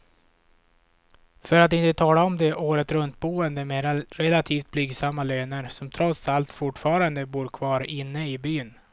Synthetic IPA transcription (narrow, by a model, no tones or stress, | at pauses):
fœɾat̪ɪnt̪ət̪ʰɑːlaɔmd̪ɛʔoːɾət̪ɾɵnt̪̚buːənd̪əmɛɾɾɛlat̪ʰiːft̪̚blʏɡsamːaløːnəɾsɔmt̪ʰɾɔt̪salt̪fʊʈːfɑːɾand̪əbuːɾkʰvɑːɾɪnːəɪbyːn